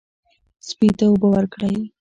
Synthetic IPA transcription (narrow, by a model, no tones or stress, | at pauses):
spit̪aobawəɾkɽaj